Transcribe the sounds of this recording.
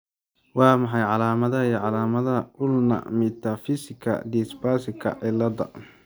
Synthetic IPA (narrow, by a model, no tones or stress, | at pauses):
wɑːmɑħɑjʕɑlaːmɐðɐijʕɑlaːmɐðɐʔʊlnɐ̰mɪt̪ʰafɪsɪkʰɐ̰d̪isbaːsɪkʰɐ̰ʕɪlɐd̪ɐ̰